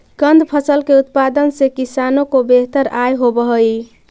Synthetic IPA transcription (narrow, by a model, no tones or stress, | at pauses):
ɡənd̪pʰəsəlkeut̪̚pad̪ənsekisanokobeɦt̪əɾajɦobəɦəj